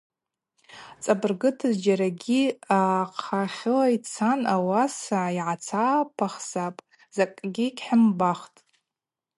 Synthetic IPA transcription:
t͡sʼabɨrɡɨtʰɨzd͡ʒaɾaɡʲiaqʰaχʲɪlait͡sʰanawasaiʕat͡sʰaːpʰaχsapʼ | z̥akʼɡʲikʲħɪmbaχtʼ

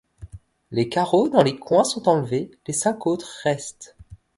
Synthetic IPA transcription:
lekaʁod̪ɑ̃lekwɛ̃sɔ̃t̪ɑ̃lvelesɛ̃kot̪χʁɛst̪

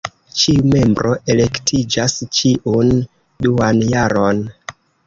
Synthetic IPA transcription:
t͡ʃiume̞mbɾo̞ʔe̞le̞ktʰid͡ʒast͡ʃiʔun | duanjaɾo̞n

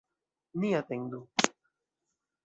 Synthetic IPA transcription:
nijat̪eŋd̪u

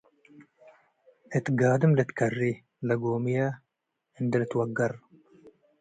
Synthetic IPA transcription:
et̪ɡaːd̪əmlet̪kɐrːi | lɐɡoːmija | ind̪ɐlet̪wɐɡɐɾ

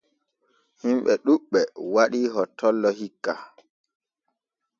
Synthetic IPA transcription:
himɓɛɗuɓːɛwaɗiɦɔtːɔlːɔhikːa

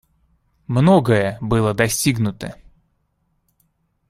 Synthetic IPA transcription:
mnoɡəjəbɨlˠəd̪ɐsʲtʲiɡnʊt̪ə

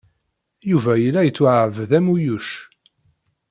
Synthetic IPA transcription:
juvæjəlːæjət͡sːwʕəvðæmujuʃ

